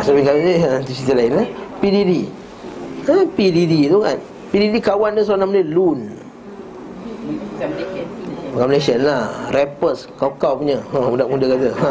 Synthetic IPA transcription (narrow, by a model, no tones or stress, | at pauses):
sabiŋkaiət̪usit̪əlainlapididi | əpididit̪oŋa̰n | pididikawandəs̬anamələlun | kaʔmlesənlahrɛpəskawkawpuɲəhaudaʔmudəkat̪əa